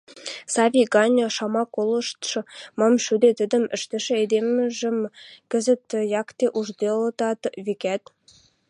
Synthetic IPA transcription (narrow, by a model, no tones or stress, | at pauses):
sɑvʲiɡɑnʲoʃɑmɑkːolˠɤ̆ʃt̪ʃ̆mɑmʃyd̪et̪ə̆d̪ə̆mɘ̆ʃt̪ɘ̆ʃɘ̆ed̪emʒɘ̆mkɘ̆zə̆t̪jɑkt̪eʔuʒd̪ʲelˠɤt̪ɑt̪βekʲæt̪